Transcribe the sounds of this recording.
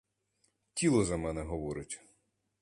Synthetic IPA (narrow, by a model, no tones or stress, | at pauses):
tʲilˠɔzɐmɛnɛɦɔʋɔɾʊtʲ